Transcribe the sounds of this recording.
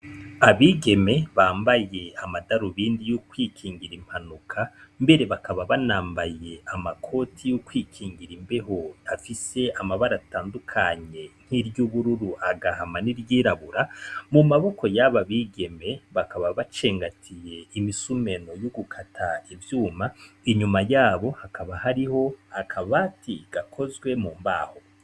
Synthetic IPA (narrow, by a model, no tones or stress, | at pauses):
aβiːɡe̞me̞βaːmbaje̞amadaɾuβiːndijukwiːkʰiːŋɡiɾim̥hanukʰambe̞ɾe̞βakaβaβanaːmbaje̞amakʰo̞tʰijukwiːkʰiːŋɡiɾimbe̞ɦoafise̞ʔamaβaɾataːndukʰaɲe̞n̥hiɾjuβuɾuɾuʔaɡahamaniɾjiːɾaβuɾamumaβo̞ko̞jaβaβiːɡe̞me̞βakaβaβat͡ʃe̞ːŋɡatʰije̞imisume̞no̞joɡukʰatʰaivjuːmaiɲumajaːβo̞hakʰaβahaɾiho̞akʰaβatʰiɡ̥akʰo̞zɡwe̞muːmba̰ːho̞